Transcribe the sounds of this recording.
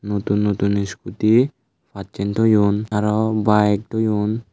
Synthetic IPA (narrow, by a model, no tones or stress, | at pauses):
not̪unːot̪unːiskut̪i | fatt͡ʃent̪ɔjunaɾɔbaek̚t̪ʰojun